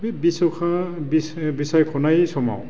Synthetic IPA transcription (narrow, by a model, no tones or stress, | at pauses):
bibisɔkʰabisbisajkʰɔnajsɔma̰w